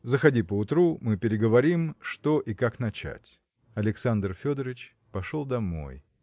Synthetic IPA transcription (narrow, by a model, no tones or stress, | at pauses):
zəxɐdʲipəʊt̪ɾumɨpʲɪɾʲɪɡəvɐɾʲimʂt̪o̞ʔikakn̪ɐt͡ɕæ̰tʲ | ɐlʲɪksand̪rfʲo̞d̪əɾɪt͡ɕ | pɐʂo̞lˠd̪ɐmo̞̰j